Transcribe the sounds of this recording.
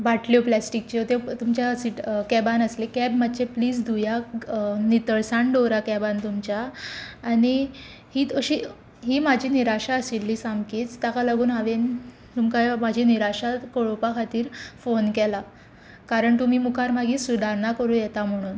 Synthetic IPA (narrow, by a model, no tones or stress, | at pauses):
baʈljoplasʈik̚t͡ɕot̪et̪umt͡ɕjasiʈkɛbanəslekɛbmat̪ːt͡ɕepliːd͡zd̪ʱuja | nit̪əɭsaɳɖoɾakɛbant̪umt͡ɕjaː | ɽ̃i | hiːt̪əɕi | ɦiːmad͡ʑʱiːniɾaɕaəsilːiːsamkiːt͡st̪akalaɡuːnaʋen | t̪umkamad͡ʑʱiniɾaɕakoɭopakʰat̪iːɾfonkɛla | kaɾəɳt̪um̤iːmukʰaɾmaɡiːsud̪ʱaɾnakəɾuːjɛt̪am̤əɽ̃uːn